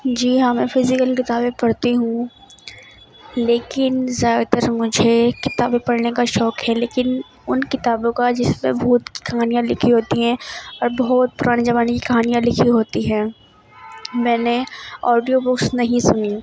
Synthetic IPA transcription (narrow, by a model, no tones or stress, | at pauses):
d͡ʒiːɦãːmɛ̃ːfʰɪzɪkəlkɪt̪aːbẽpɐɽt̪iɦũ | leːkɪnzjaːd̪at̪əɾmʊd͡ʒʱekɪt̪a̰ːbẽpɐɽnekaʃɔːkɦɛleːkɪn | ʊnkɪt̪aːbõkad͡ʒɪsmẽbʱuːt̪ki̥kɐɦaːnijãlɪkʰiɦoːt̪iɦɛ̃ɔːɾbɐɦʊt̪̚pʊɾʔaːned͡ʒɐʋaːnekikɐɦaːnijãlɪkʰiɦoːt̪iɦɛ̃ː | mɛ̃ːneɔːɖijobʊksnɐɦĩsʊni